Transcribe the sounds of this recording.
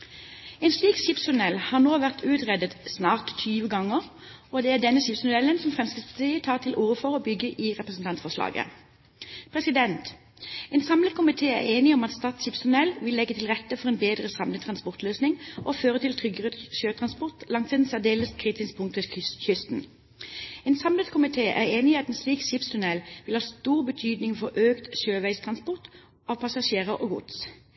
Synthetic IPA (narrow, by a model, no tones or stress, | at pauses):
ɛːnsliːkʃɪpsʊnɛlhɑːʁnoːʋæʁt̪ʰʉːt̪ʁɛd̪ət̪snɑːʁt̪t̪ʰyːʋəɡɑŋːəʁ | od̪ɛæd̪ɛnəʃɪpsmʊd̪ɛlənsɔmfʁɛmskəspʰɑt̪ʰiːət̪ʰɑːʁt̪ʰɪlʔuːʁəfɔʁoːbʏɡəʔiːʁɛpʁəsn̩t̪ʰɑnt̪sfɔʁslɑ̰ːɡə̰ | pʰʁɛsɪd̪ɛnt̪ | ɛːnsɑmlət̪kʰʊmɪt̪ʰeːæ̰ʁeːnɪɔmɑt̪st̪ɑːt̪sʃɪpsʊnɛlʋɪlːɛɡːət̪ʰɪlʁɛt̪ːəfɔʁeːnbeːd̪ʁəsɑmlət̪ʰʁɑnspɔʁt̪løːsnɪŋʔoːføːʁət̪ʰɪlt̪ʰʁʏɡəʁəʃøːt̪ʰʁɑnspɔʁt̪lɑŋt̪sɛd̪n̩sæʁd̪eːləst̪kʰʁiːt̪ɪskpʰʊŋt̪ʋeçʏst̪n̩ | eːnsɑmlət̪kʰʊmɪt̪ʰeːʔæ̰ʁeːnɪɑt̪ɛːnsliːkʃɪpst̪ʰʉnɛlʋɪlhɑːst̪uːʁbət̪ʰyːd̪nɪŋfɔʁʔøːkt̪ʃøːʋæɪst̪ʰʁɑnspɔʁt̪ | ɑːʋpʰɑsɑʃeːʁəʔoːɡʊ̰d̪s